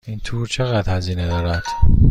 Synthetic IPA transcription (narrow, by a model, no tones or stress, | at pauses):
iːnt̪ʰuːɾt͡ʃʰe̞ɣæd̪hæziːned̪ɒːɾæd̪̥